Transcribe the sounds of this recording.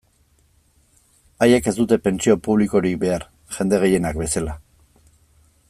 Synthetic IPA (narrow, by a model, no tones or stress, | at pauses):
aje̞ke̞zd̪ut̪e̞pe̞nt͡sio̞puβ̞liko̞ɾik̚be̞aɾ | ʝ̥e̞nd̪e̞ɣe̞je̞nakbe̞sala